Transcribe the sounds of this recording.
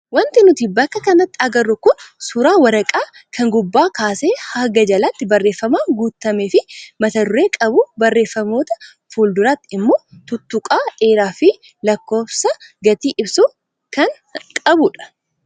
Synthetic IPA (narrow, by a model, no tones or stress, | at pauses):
wɐnt̪ɪnʊt̪ibɐkːɐkɐnɐt̪ːɪɐɡɐrːʊkʊnsʊɾaːwɐɾɐkʼaː | kʰɐŋɡʊbːaːkaːseːhɐɡɐd͡ʒɐlɐt̪ːɪbɐrːe̞ːfːɐmaːɡuːt̪ːɐmeːfɪmɐt̪ɐd̪ʊɾe̞ːkʼɐbʊbɐrːe̞ːfːɐmo̞ːt̪ɐ̥ | fuːld̪ʊɾaːt̪ːɪɪmːo̞ːt̪ʊt̪ːʊkʼaːe̞ːɾaːfɪ | lɐkːo̞ːfsɐɡɐt̪iːʔɪbsu | kɐŋ | kʼɐbʊᶑɐ̥